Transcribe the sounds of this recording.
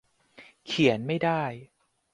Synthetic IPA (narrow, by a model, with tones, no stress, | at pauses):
kʰi˩˦ənma˥˩jdaː˥˩j